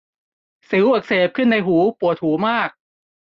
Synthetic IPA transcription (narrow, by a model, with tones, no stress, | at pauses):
sɯ˩˦wʔaː˨˩k̚seː˨˩p̚kʰɯ˥˩nːa˧jɦuː˩˦pu˨˩ət̪̚huː˩˦maː˥˩k̚